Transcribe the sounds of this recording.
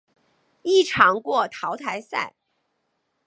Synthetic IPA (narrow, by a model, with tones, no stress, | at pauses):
i˥˩ʈ͡ʂʰɑ˧˥ŋkwɔ˥˩t̪ʰɑ˧˥ʊt̪ʰa˧˥ɪsa̰˥˩ɪ